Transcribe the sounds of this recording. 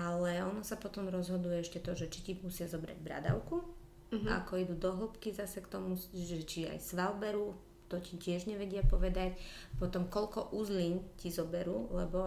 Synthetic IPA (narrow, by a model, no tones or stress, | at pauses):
alɛɔnɔsapɔt̪ɔmɾɔzɦɔd̪ujɛɛʃcɛt̪ɔʒɛt͡ʃic̪imusɪazɔbɾa̰ɟbɾa̰d̪a̰ʊku | a̰kɔid̪ud̪ɔɦl̩pkizasɛkt̪ɔmuʒɛt͡ʃia̰jsʋalbɛɾu | t̪ɔcicɪɛʒɲɛʋɛɟɪapɔʋɛd̪acpɔt̪ɔmkɔʎkɔʔuzliɲcizɔbɛɾuːlɛbɔ